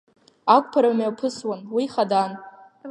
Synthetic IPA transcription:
akʷʼpʰaɾamapʰɨswanwiχadan

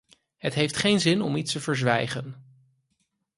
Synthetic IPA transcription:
ɦətɦejftχejnzɪnɔ̰mitstəvəɹzʋɛjχən

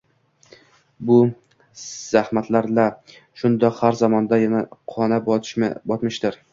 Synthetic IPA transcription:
bʊ | z̥ahmat̪ʰlaɾla | ʃʊnd̪ɒhaɾzɒmɒnd̪ajanaqʰɒnabɒʃbɒt̪mɪʃt̪ɪɾ

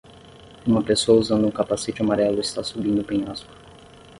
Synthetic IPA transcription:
ũmɐpesoɐuzɐ̃nd̪ʊũkapaset͡ʃɪamaɾɛlʊɪst̪asubĩnd̪ʊpẽaskʊ̥

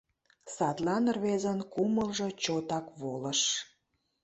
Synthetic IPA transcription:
sɑt̪lɑnrβezənkuməlʒɤ̽t͡ɕot̪ɑkβoləʃ

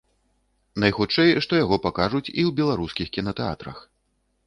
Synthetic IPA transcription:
nɐjxutt͡ʂɛjʂt̪ɔjaɣɔpakaʐut͡sʲiwbʲɛlˠaɾuskʲixkʲinɐt̪ɛa̰t̪ɾɐ̰x

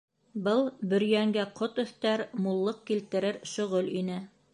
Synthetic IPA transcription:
bɤlˠbɵ̆ɾjæŋɡæqot̪ɵ̆θt̪æɾmulˠːɤq̚kilt̪ɘ̆ɾɘɾʃɵ̆ʁɵlinɘ

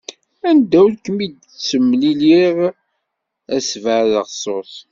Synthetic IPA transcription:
ænd̪æwlkəmid̪ | t͡sːəmːliliʁ | æsvəʕðəʁsˤos

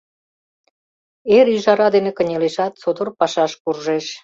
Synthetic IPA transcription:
eɾyʒɑɾɑd̪enekə̆nʲeleʃɑt̪̚t͡sod̪orpɑʃɑʃkurʒeʃ

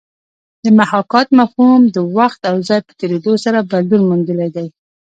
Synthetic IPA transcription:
d̪əmahɑkɑt̪mafumd̪əwaxt̪awzɑjpə̥t̪eɾed̪osaɾaballuɾmund̪əlajd̪aj

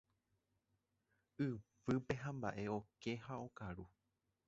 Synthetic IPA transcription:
ɨʋɨpe̞ɦãmba̰ʔe̞o̞ke̞hao̞kaɾu

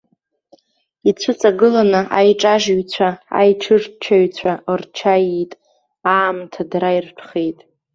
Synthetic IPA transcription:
it͡sʷʰɨt͡sʼaɡɨlanɨʔajʈ͡ʂʼaʒɥt͡ɕʷʰaa̰jʈ͡ʂʰɨrt͡ʃʰaɥt͡ɕʷʰaʔrt͡ʃʰajitʼ | aːmtʰadɾairpʰχejtʼ

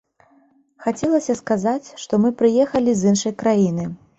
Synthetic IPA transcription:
xat͡sʲɛlˠɐsʲɐskazat͡sʲʂt̪ɔmɨpɾɨjɛxɐlʲizɨnʂɐjkɾajinɨ

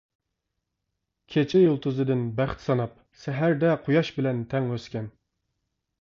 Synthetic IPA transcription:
kʲʰet͡ʃʰɪjolˠt̪ʰuzɨd̪ɨnbæχt̪ʰsɑnɑp̚ | sɛɦæɾd̪ɛqʰujɑʃbɪlɛnt̪ʰɛŋøskʲɛn

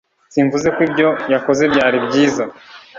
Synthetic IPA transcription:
siɱvuze̞kwibɟo̞jako̞ze̞bɟaːɾibɟiːza

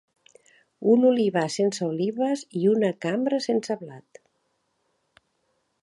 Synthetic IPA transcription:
unuliβasensəuliβəziunəkambɾəsensəβlat̪

